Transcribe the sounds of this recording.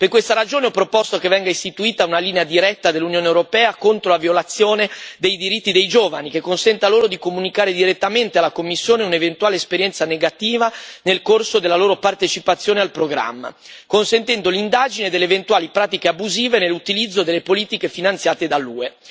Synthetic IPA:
perkwest̪aɾad͡ʒoːneɔpːɾopɔst̪okevɛŋɡaist̪it̪uiːt̪aunaliːnead̪iɾɛt̪ːad̪elːunjoːnewɾopɛːakont̪ɾolavjolat̪sːjoːned̪ejd̪iɾit̪ːid̪ejd͡ʒoːvanikekːonsɛnt̪aloːɾod̪ikomunikaːɾed̪iɾet̪ːament̪ealːakomːisːjoːneunevent̪uwaːleespeɾjɛnt̪saneɡat̪iːvanelkorsod̪elːaloːɾopart̪et͡ʃipat̪sːjoːnealpɾoɡɾa̰mːa̰ | konsent̪ɛnd̪olind̪aːd͡ʒined̪elːeːvent̪waːlipɾaːt̪ikeabuziːvenelːut̪ilid̪zːod̪elːepoliːt̪ikefinant̪sjaːt̪ed̪alːṵːe

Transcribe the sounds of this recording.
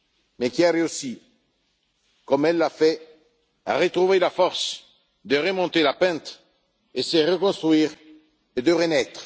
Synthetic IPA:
mɛkʲiaɾeosi | kɔmɛlːafɛ | a̰ʁət̪χuvelafɔʁs | d̪əʁəmɔ̃t̪elapɛ̃t̪ | esəʁəkɔ̃st̪χɥiːʁ | ed̪əʁənɛt̪χ

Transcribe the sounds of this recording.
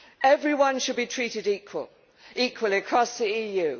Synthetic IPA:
ɛvɹiwʌ̃nʃəd̚bitʰɹ̥iˑtɪdiˑkʰwə̰lˠ | iˑkʰwəlˠiəkʰɹ̥ɒsðiiːjʉː

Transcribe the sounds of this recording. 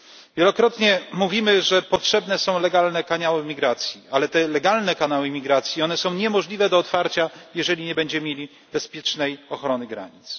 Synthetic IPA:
vʲjɛlɔkɾɔt̪ɲɛmuvʲimɘʐɛpɔtʂɛbnɛsɔ̃w̃lɛɡalnɛkaɲawɘmʲiɡɾat̪sʲjialɛt̪ɛlɛɡalnɛkanawɘmʲiɡɾat̪sʲjiɔnɛsɔ̃w̃ɲɛmɔʐlʲivɛd̪ɔːt̪faɾt͡ɕajɛʐɛlʲiɲɛbɛɲd͡ʑɛmʲjelʲi | bɛspʲjɛt͡ʂnɛjɔxɾɔnɘɡɾa̰ɲit̪s

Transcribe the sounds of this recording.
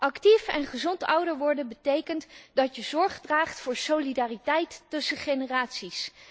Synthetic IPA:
ʔɑktifɛnχəzɔntʌwdəɹʋɔɹdəbətejkəntdɑtjəzɔɹχdraːχtfʊːɹsolidaːritɛjtːɵsəχenəraːtsis

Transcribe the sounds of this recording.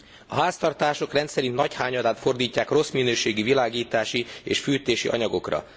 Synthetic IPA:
ɒɦaːst̪ɒrt̪aːʃo̞krɛnt̪sɛɾint̪nɒchaːɲɒd̪aːt̪fo̞rd̪iːcːaːkro̞sminøːʃeːɡivilaːɡiːt̪aːʃieːʃfyːt̪eːʃḭʔɒ̰ɲɒɡo̞krɒ̰

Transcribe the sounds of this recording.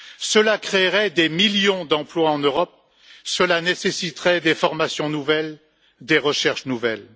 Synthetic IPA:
səlakχeʁɛd̪emiljɔ̃d̪ɑ̃plwaɑ̃nøʁɔp̚ | səlanesesit̪ʁɛd̪efɔʁmasjɔ̃nuvɛl | d̪eʁəʃɛʁʃnuvɛl

